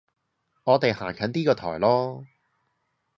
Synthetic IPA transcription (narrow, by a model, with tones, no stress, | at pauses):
ŋɔː˨˧t̪e˨jha̰ː˨˩ŋkʰœː˨˥nt̪iː˥kɔː˧t̪ʰɔ̰ː˨˩jlɔː˥